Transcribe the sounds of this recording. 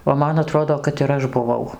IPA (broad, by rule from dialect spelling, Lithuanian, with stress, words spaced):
oː ˈmɐn ɐˈtroːdoː kɐt ɪr ˈɐʃ bʊˈʋɐʊ